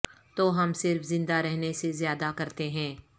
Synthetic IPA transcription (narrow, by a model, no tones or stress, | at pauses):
t̪oːɦɐmsɪɾfzɪ̃nd̪aɾɛɦnesezjaːd̪akɐɾt̪eɦɛ̃ː